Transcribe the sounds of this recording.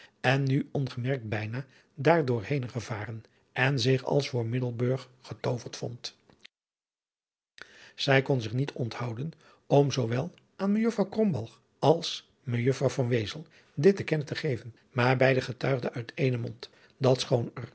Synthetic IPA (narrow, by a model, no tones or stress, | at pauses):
ɛnːyɔnχəmɛɹk̚t̚bɛjnaː | daːɹdʊːɹhejnχəvaːrən | ʔɛnzɪχɑ̰lˠsfʊːɹmɪdəl̩ˠbøɹχːətowvəɹtfɔ̰nt | z̥ɛjkɔnzɪχnitʰɔnthɑwdən | ɔmzowʋɛlˠ | ʔaːnməjøfrɑwkrɔmbɑlˠχ | ɑlˠs | məjøfrɑwvɑnʋejzəlˠ | dɪt̚dəkɛnətəχejvən | maːɹbɛjdəχətœɥχdəʔœɥtʰejnəmɔnt | dɑtsχownər